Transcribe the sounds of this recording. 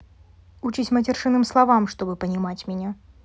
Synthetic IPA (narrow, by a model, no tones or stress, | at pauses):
ut͡ɕisʲmɐtʲɛrʂɨnɨmslˠavamʂt̪ɔbɨpɐnʲimat͡sʲmʲɛnʲa